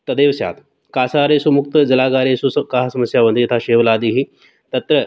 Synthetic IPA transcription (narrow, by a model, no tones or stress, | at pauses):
t̪ɐd̪eːʋsja̰ːt̪ | kaːsaːɾesumuk̚t̪ɐd͡zɐlaːɡaːɾesukaɦasɐməsjaʋɐnd̪it̪ʰaɕeːʋlaːd̪iːɦi | t̪ɐt̪ɾə